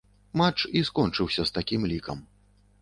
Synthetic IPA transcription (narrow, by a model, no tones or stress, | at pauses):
mat͡ʂiskɔnt͡ʂɨwsʲɐst̪akʲimlʲikɐ̰m